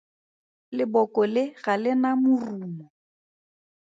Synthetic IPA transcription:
lɪbɔkɔlɪɣalɪnamʊruːmɔ

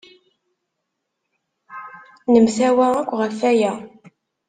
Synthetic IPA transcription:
nəmθæwæækʷːʁəfːæjæ

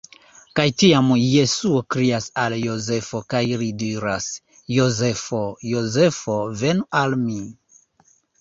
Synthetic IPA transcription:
kajtiamje̞suokɾiasaljo̞ze̞fo̞kajlidiɾas | jo̞ze̞fo̞jo̞ze̞fo̞ve̞nualmi

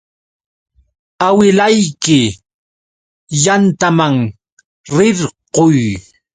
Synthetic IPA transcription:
awɪlajkɪ | jant̪amaŋ | ɾɪɾqʊj

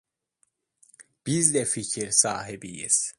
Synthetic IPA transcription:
b̥izd̪ɛficʰiɾsa̰ːɦibijḭz̥

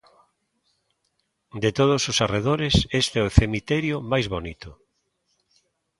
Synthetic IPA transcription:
d̪et̪oð̞ososareðoɾesest̪ɛʊθemit̪ɛɾjomajzβonit̪ʊ

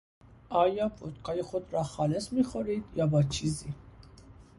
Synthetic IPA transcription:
ajapʰʼut̪kʰʼajiχɔt̪ʼɾaχalɛsmiχɔɾid̪jabat͡ʃʰizi

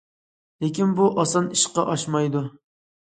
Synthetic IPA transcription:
lɪkʲʰinbuʔɑsɑniʃqɑ̰ʔɑʃmɑjd̪u

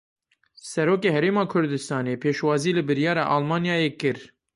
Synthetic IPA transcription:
sɛɾoːkeːɦɛɾeːmɑːkʰʊɾd̪ɨst̪ɑːneːpʰeːʃwɑːziːlɨbɨɾjɑːɾɑ̰ːʔɑlmɑːnjɑːjeːkɨɾ

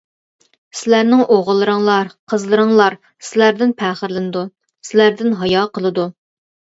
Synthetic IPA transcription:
sɪlæɾnɪŋʔoʁəlˠːɨɾɨŋlˠɑɾqʰəzlˠɨɾɨŋlˠɑɾ | sɪlæɾd̪ɪnpʰæχəɾlɪnɨd̪u | sɪlæɾd̪ɪnɦɑjɑqʰəlˠɨd̪u

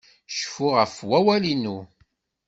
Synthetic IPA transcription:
ʃfʊʁəfwæwælinu

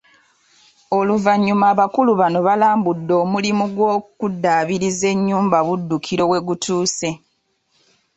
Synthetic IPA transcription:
o̞luvaɲːumaːβakuluβano̞βalaːmbudːo̞ːmulimuɡwo̞ːkudːaːβiɾize̞ɲːuːmbaβudːukʰiɾo̞we̞ɡutʰuːse̞

